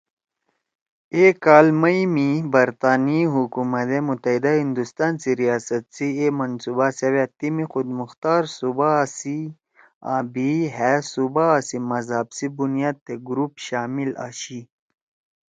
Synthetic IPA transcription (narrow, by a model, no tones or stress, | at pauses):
ekaːlmɐjmibɐɾt̪aːniɦukumɐt̪emut̪ɐɦid̪aɦind̪ust̪aːnsiɾijaːsɐt̪siemɐnsubasewet̪imixud̪muxt̪aːɾsubasi | a̰ːbiɦɛsubasimɐzɦabsibunijaːd̪̚t̪eɡɾupɕaːmila̰ːɕi